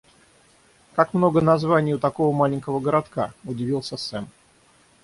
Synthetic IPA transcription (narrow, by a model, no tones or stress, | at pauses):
kakmno̞ɡənɐzvanʲɪjʊt̪ɐko̞vəmalʲɪnʲkəvəɡəɾat̪kaʊdʲɪvʲilˠsʲəsɛm